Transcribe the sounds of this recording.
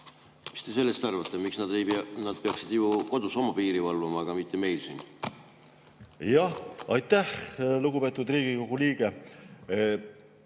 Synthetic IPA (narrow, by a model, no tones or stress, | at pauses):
mi̥st̪e̞se̞lːest̪ɑrvɑt̪ːemiksnɑd̪ejnɑd̪̥̚peɑksid̪̥juko̞d̪̥uso̞mɑpiːɾivɑlvɑmɑɡ̥ɑmit̪ːˑe̞me̞jlsḭːn | jɑɑjt̪ːˑæhluɡubpe̞ːt̪ːˑud̪riːɡ̥iko̞ɡ̥uliːɡe̞